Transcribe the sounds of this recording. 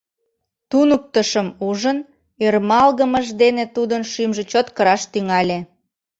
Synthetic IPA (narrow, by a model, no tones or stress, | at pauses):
t̪unuk̚t̪əʃəmuʒən | ermɑlɣəməʒd̪enet̪ud̪ənʃimʒet͡ɕot̪kəɾɑʃt̪yŋɑlʲe